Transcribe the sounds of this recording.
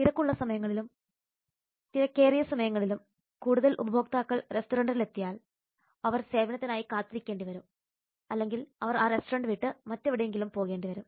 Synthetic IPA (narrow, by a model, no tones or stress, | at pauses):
t̪iɾɐkːuɭːɐsɐmɐjɐŋːɐɭilum | t̪iɾɐkːeːrijɐsɐmɐjɐŋːɐɭilum | kuːɽuðɐlʔṵbɐbʱo̞ːk̚t̪aːkːɐɭre̞stuɾɐɳɖɐɾile̞t̪ːijaːɭ | ɐʋɐrse̞ːbɐnɐt̪ːinaːjikaːt̪ːiɾikʲːeːɳɖiʋɐɾum | ɐlːe̞ŋɡilɐʋɐraːre̞sturɐɳɖɨʋiːʈːɨmɐtːeʋiɽɐjeŋɡilumpo̞ːɣe̞ːɳɖiʋɐɾum